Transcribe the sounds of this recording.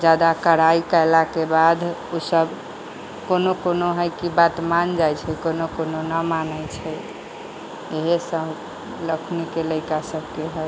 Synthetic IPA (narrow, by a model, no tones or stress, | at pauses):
d͡ʒad̪akəɾaikəjlakebad̪ʱosəb | konokonoɦəjkibat̪mand͡ʒajt͡ʃʰɛkonokononəmanət͡ʃʰɛ | eɦesəb | ləkʰnikeləɪkasəbkeɦəj